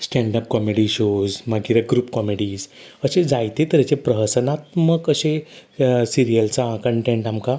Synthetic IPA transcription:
sʈɛ̃ɳɖəp̚kɔmeɽiɕozmaɡiɾaɡɾuːpkɔmeɽiːzəɕed͡zajt̪et̪əɾjat͡ɕepɾəɦəsənat̪məkəse | siɾijəlt͡sakəɳʈẽɳʈamka

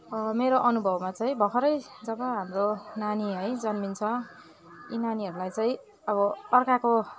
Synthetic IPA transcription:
ʌmeɾoʔʌnubʱʌbmat͡sʌj̃bʱʌkʰʌɾʌjd͡zʌbʌɦamronaniɦʌjd͡zʌnmint͡sʰʌ | ḭnaniɦʌɾulajt͡sʌĩ | ʌbʌʌrkako

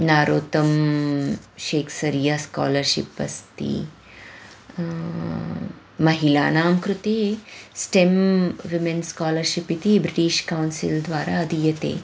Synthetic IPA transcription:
naːɾoːt̪ɐm | ʃeːkʰsɐɾjɐska̰ːlɐɾʃḭpɐst̪ḭ | mɐɦilaːnaːmkɾut̪eːsʈemʋimenskaːlɐɾʃipit̪ibɾiʈiːʃkɐwnsild̪ʋaːɾaɐd̪ijɐt̪ḛː

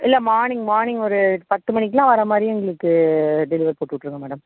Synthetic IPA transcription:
ɪlːɛmaːɾnɪŋɡmaːɾnɪŋɡɔɾɯpɐt̪ːɯmɐɳːɪkːɯlãːʋɐɾɐmaːd̪ɾijɛŋɡɐɭɯkːɯɖɛlɪʋɐɾpoːʈːɯʋʈːɪɯɾɯŋɡɐmɛːɽɐm

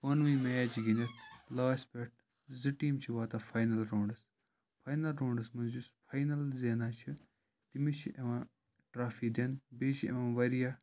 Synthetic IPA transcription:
pɐnʋĩːmeːt͡ʃɡinʲɐɾlaːspeʈ̚ʰ | ziʈiːmt͡ʃʰiʋaːt̪aːpʰaːjnɐlɾoːɳɖɐs | pʰaːjnɐlɾõːɳɖɐsmɐd͡ʒuspʰaːjnɐlzeːnaːt͡ʃʰi | t̪imit͡ʃʰiʔeʋãː | ʈɾaːfʰid̪enbeːt͡ʃʰḛʋãːʋɐɾijaː

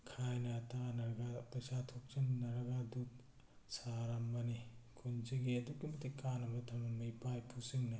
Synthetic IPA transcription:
kʰajnɐtʰanɐɾɡapɐsatʰok̚t͡ʃinnɐɾɡadut | saɾamːɐnikʰunziɡiɐduk̚ːimɐtikanɐmɐtʰamɐmijpajpʰusiŋnɐ

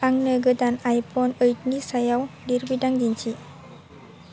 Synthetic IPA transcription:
aŋnəɡəd̪anajpɔnəjt̪nisajawdiɾbidaŋd̪int͡ʃʰi

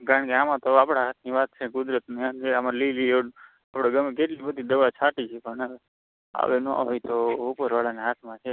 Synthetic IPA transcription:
kaɾəɳkeamãt̪oapɽ̃aɦat̪̚ʰniʋat̪̚t͡ʃʰekʊd̪ɾət̪niand͡ʒʰeamãlilio | apɽeɡəmek̬eʈlibəd̪ʱid̪əʋat͡ʃʰaʈit͡ʃʰepəɳae | a̰ʋenõa̰ɦojt̪oupəɾʋaɭaneɦat̪ʰmãt͡ʃʰe

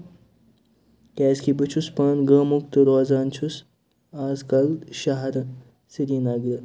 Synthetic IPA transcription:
kʲɛːskʰibɨt͡ʃʰuspɐːnɡəːmukt̪ɨɾoːzaːnt͡ʃʰus | aːzkɐlʃɐɦɐɾɨ | siɾiːnɐɡɾɨ

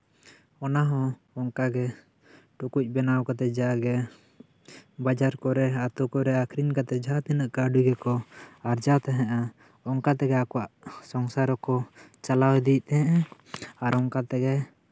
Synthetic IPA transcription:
ɔnaɦɔ̃ | ɔŋkaɡɛ | ʈukuc̚ˀbɛnawkat̪ɛd͡ʒaɡɛ | bad͡ʒaɾkɔɾɛat̪ukɔɾɛakʰɾiɲkat̪ɛd͡ʒʱat̪inəʔkaɖuɡɛkɔaɾd͡ʒat̪ɛɦɛ̃ʔa | ɔŋkat̪ɛɡɛakɔwaʔsɔŋsaɾɔkɔt͡ʃalawɛd̪it̪ɛɦɛ̃ʔɛ | aɾɔŋkat̪ɛɡɛ

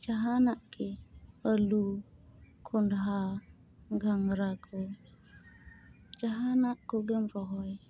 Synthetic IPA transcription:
d͡ʒaɦanakealu | kʰundɦa | ɡaŋɾakʰo | d͡ʒaɦanakːoɡemɾɔɦɔj

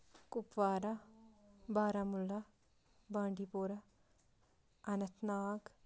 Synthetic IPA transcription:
kupʋaːɾɐ | baːɾaːmulːɐ | baːɳɖipoːɾɐ | ɐnɐt̪naːɡ

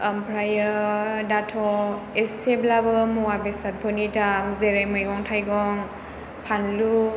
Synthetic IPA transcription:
ampɾajədatʰɔeseblabɯmuwabesat̚pʰɯnitamzeɾajmɔjɡɔŋtʰajɡɔŋ | pʰanlu

